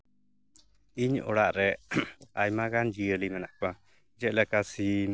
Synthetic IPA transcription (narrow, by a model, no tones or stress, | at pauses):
iɲɔ̰ɽaʔɾɛajmaɡand͡ʒiəlimɛnaʔka | d͡ʒəʔlɛkasi